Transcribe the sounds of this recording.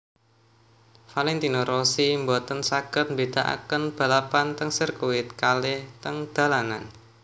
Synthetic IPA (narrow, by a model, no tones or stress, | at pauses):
falɛnt̪inoɾosimbɔt̪ənsaɡ̥ət̪̚mbed̪̥a̤ʔa̰kənb̥a̤lapant̪əŋsərkuwɪt̪̚kalɪht̪əŋd̪̥a̤lanan